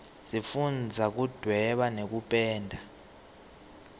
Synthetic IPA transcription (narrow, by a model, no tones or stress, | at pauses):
sifund͡zʱak̬ud̥ʱwɛɓanek̬upʼɛːndʱa